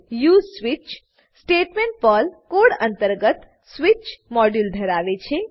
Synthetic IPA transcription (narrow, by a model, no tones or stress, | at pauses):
jusʋit͡ʃ | sʈeʈmeɳʈ̚pəlkoɽə̃nt̪əɾɡət̪ | swit͡ʃmɔɖjuld̪ʱəɾaʋet͡ʃʰe